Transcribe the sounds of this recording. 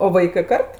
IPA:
oː ˈʋɐɪkɜ ˈkɐrt

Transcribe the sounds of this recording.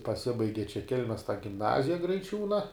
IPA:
pɐˈsʲɪbɐɪɡʲɪ t͡ʃʲɛ ˈkʲɛlʲmʲɛs ɡʲɪmˈnɑːzʲɪjɛ ɡrɐɪˈt͡ʃʲuːnɐ

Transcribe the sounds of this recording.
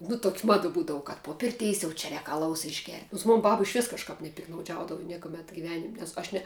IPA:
nʊ toːkʲ ˈmɑːdɐ ˈbuːdɐʋʊ kɐt poː ˈpʲɪrʲtʲɛɪs jɛʊ t͡ʃʲɛ ˈrʲɛːk ɐˈlˠɐʊs ɪʒʲˈɡʲɛrʲtʲ noːns ˈmoːn ˈbɐp ɪʃʲˈʋʲɪs kɐʃˈkɐp nʲɛpʲɪktnɐʊˈd͡ʒʲɛʊdɐʋʊ ˈnʲiɛkʊmʲɛt ɡʲɪˈʋʲæːnʲɪmʲ nʲɛs ˈɐʃ nʲɛ

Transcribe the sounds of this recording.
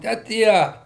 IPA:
tʲæː ˈtʲiɛ

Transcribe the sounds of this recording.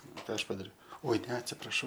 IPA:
ˈkɑː ˈɐʃ pɐdɐˈrʲɛʊ oːɪ nʲɛ ɐtʲsʲɪprɐˈʃɐʊ

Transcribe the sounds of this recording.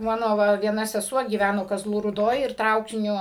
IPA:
ˈmɑːnoː ˈʋɐ ʋʲiɛˈnɐ sʲɛˈsuɔ ɡʲiːˈʋʲænoː kɐˈzlˠuː ruːˈdoːj ɪr ˈtrɐʊkʲɪnʲʊ

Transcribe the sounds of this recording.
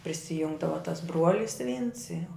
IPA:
pʲrʲɪsʲɪˈjʊŋɡdɐʋɐ tɐs ˈbruɔlʲɪs ʋʲiːns jɛʊ

